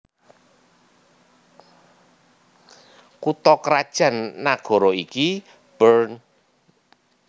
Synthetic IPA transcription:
kut̪ɔkəɾad̥ʒ̥ä̤nːaɡ̥ɔ̤ɾɔiki | b̥ərn

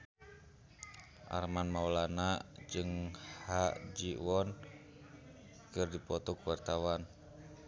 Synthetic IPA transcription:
ʔa̰rmanmawlanad͡ʒɨŋhaʔd͡ʒiwɔn | kɨrdipɔt̪ɔkuwart̪awan

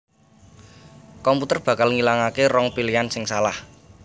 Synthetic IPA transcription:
kɔmput̪ərb̥ä̤kalŋilaŋakerɔŋpiliansɪŋsalah

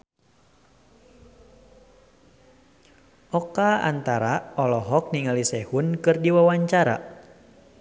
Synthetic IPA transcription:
ʔɔkaa̰nt̪aɾaɔlɔɦɔk̚niŋalisɛhunkɨrdiwawaɲt͡ʃaɾa̰

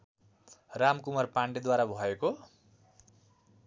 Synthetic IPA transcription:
ramkumʌrpaɳɖed̪waɾabʱʌeko

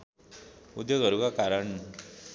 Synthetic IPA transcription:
ud̪jəɡʱəɾuɡakaɾəɳ

